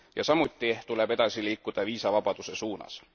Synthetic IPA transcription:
jɑsɑmut̪ˑːit̪ule̞be̞d̪̥ɑsiliːkːˑud̪̥ɑviːsɑvɑb̥ɑd̪̥use̞suːnɑ̰s

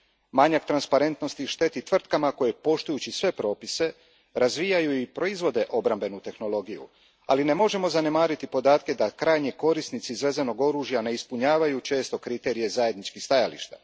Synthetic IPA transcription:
maɲakt̪ɾanspaɾe̞nt̪no̞st̪iʃt̪e̞t̪it̪ʋr̩t̪kamako̞jepo̞ʃt̪ujut͡ɕisʋe̞pɾo̞ːpise̞ | ɾazʋijajuipɾo̞izʋo̞d̪e̞ʔo̞bɾambe̞nut̪e̞xno̞lo̞ɡijṵ | a̰line̞mo̞ʒe̞mo̞zane̞maːɾit̪ipo̞d̪aːt̪ke̞d̪akɾajɲiko̞ɾisnit̪sizʋe̞zeno̞ɡo̞ɾuːʒjane̞ispuɲaːʋajut͡ʃe̞ːst̪o̞kɾit̪e̞ɾije̞zaje̞d̪nit͡ʃkixst̪ajalḭʃt̪a̰

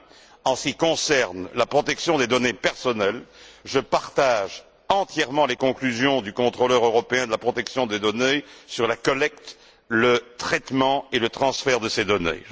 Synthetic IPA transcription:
ɑ̃sə̥kʲikɔ̃sɛʁnlapχɔt̪ɛksjɔ̃d̪ed̪ɔnepɛʁsɔnɛlʒəpaʁt̪aʒ | ɑ̃t̪jɛʁmɑ̃lekɔ̃klyzjɔ̃d̪ykɔ̃t̪χolœʁøʁɔpeɛ̃d̪əlapχɔt̪ɛksjɔ̃d̪ed̪ɔnesyʁlakɔlɛk̚t̪ | lət̪χɛt̪mɑ̃elət̪χɑ̃sfɛʁd̪əsed̪ɔnḛ

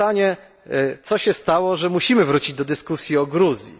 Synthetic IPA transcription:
aɲɛ | t̪sɔɕɛst̪awɔʐɛmuɕimɘvɾut͡ɕid͡ʑd̪ɔd̪ɘskusʲjiɔɡɾuzʲjḭ

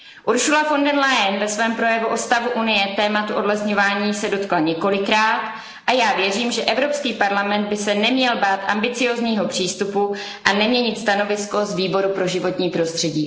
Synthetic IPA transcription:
ʔuɾʃulafo̞ndɛnlajɛnvɛsvɛːmpɾojɛvuʔo̞st̪avuʔunɪjɛt̪ɛːmat̪uʔo̞dlɛsɲo̞vaːɲiːsɛdo̞t̪klaɲɛko̞lɪkɾaːt̪ | ʔajaːvjɛriːmʒɛʔɛvɾo̞pskiːpaɾlamɛnd̪̚bɪsɛnɛmɲɛlbaːt̪ʔa̰mbɪt͡sɪjo̞ːzɲiːɦo̞pr̝̥iːst̪upu | ʔanɛmɲɛɲɪt̪st̪ano̞vɪsko̞zviːbo̞ɾupɾo̞ʒɪvo̞t̪ɲiːpɾo̞st̪r̥ɛɟiː

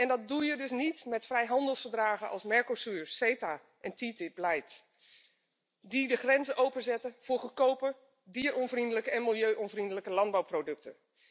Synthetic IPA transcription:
ɛndɑt̚dujədɵs̬nitmɛtfrɛjɦɑndəlˠsfəɹdraːχənʔɑ̰lˠsmɛɹkosyːɹsejtaː | ʔɛntitɪp̚lajt | didəχrɛnzəʔowpənzɛtəv̥ʊːɹχəkowpə | diːɹɔnvrindələkəɛnmɪlˠjøɥʔɔnvrindələkəlɑnd̚bawprowdɵk̚tə̰

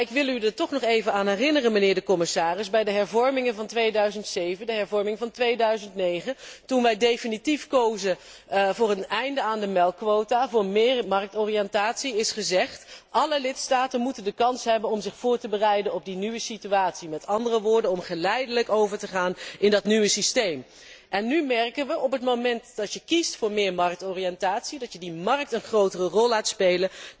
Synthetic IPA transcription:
ɪkʋɪlˠydəɹtɔχnɔχejvənaːnɦɛrɪnərənmənɪːɹdəkɔmɪsaːrɪzbɛjdəɦɛɹvɔɹmɪŋəvɑntʋejdœɥzəntsejvəndəɦɛɹvɔɹmɪŋvɑntʋejdœɥzəntnejχəntunʋɛjdejfinitifkowzə | vʊːrənɛjndəaːndəmɛlˠkʋowtavʊːmɪːɹmɑrk̚tɔriɛntaːtsiɪsχəzɛχtʔɑləlɪtstaːtənmutəndəkɑnsɦɛbənɔmzɪχfʊːɹtəbərɛjdənɔb̚dinyʋəsityaːtsimɛtɑndərəʋʊːɹdənɔmχəlɛjdələkowvəɹtəχaːnɪndɑtnyʋəsistejm | ʔɛnːymɛrkənʋəʔɔpɦətmowmɛntd̥ɑtjəkistfʊːɹmɪːɹmɑrk̚tɔriɛntaːtsidɑtjədimɑrək̚tənχrowtərərɔlˠːaːtspejlə

